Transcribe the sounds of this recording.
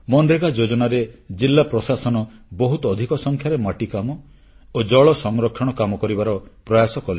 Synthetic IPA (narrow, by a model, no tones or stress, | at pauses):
mɔnɖɾeɡad͡ʒod͡ʒɔnaɾed͡ʒilːapɾɔsasɔnɔbɔɦut̪ɔːd̪ʱikɔsɔŋkʰjaɾemaʈikamɔ | od͡ʒɔɭɔsɔŋɾɔkʰːjɔɽ̃ɔkamɔkɔɾibaɾɔpɾɔjasɔkɔli